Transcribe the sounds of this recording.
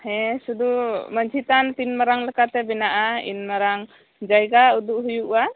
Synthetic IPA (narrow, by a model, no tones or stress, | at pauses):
hɛsud̪uməɲd͡ʒʰʱit̪ant̪inmaɾaŋlɛkat̪ɛbɛnaʔaḭnmaɾaŋ | d͡ʒajɡaud̪uʔɦujuʔwa